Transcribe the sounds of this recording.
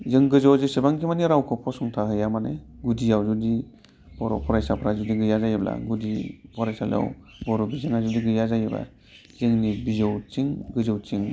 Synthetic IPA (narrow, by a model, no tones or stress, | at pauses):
zɯŋɡɯzɔwzɯsebaŋkʰimaniɾawkʰɔpʰɔsɔŋtʰaɦɯjamaneɡudijawzudi | b̥ɔɾɔ̰pʰɔɾajsapʰɾazudiɡɯjazajɯbla̰ɡudipʰɔɾajsal̰a̰w | bɔɾɔbizɯŋazudiɡɯjazajɯba̰ | zɯŋnibizɯwt͡ʃiŋɡɯzɯwt͡ʃiŋ